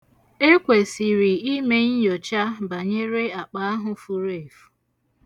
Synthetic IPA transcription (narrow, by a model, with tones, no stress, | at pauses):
e˦kʷe˨si˨ɾi˨i˦me˦ɲ̩˦jɔ˨t͡ʃa˦ba˨ɲe˦ɾe˦a˨k͡pa˦a˦ɦʊ˨fu˨ɾe˦˨f